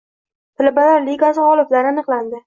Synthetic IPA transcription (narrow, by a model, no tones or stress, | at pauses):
t̪ʰɪlabalaɾliɡasɪʁɒlˠɪplaɾɪanɨqlˠand̪ɪ